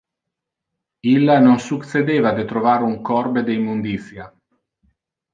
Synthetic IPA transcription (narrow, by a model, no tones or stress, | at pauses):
ilːanoŋsuk̪sed̪eːvad̪et̪ɾovaːɾuŋkɔrbed̪eimːund̪it̪sja